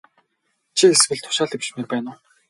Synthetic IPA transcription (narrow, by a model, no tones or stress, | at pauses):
t͡ɕʰieswɘ̆ɮt̪ʰʊ̥ʃaːɮt̪ewt͡ɕmet̪̚pæːnʊː